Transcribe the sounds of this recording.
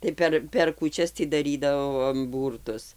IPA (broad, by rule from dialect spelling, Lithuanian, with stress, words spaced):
tɐɪ ˈpʲɛr pʲɛr kuːˈt͡ʃʲɛs tʲiː dɐˈrʲiːdɐʋoːm ˈbuːrtʊs